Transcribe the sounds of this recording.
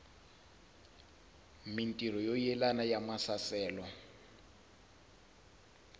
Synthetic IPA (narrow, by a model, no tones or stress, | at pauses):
min̩tʼir̤ɔjojɛlanajamasasɛːlɔ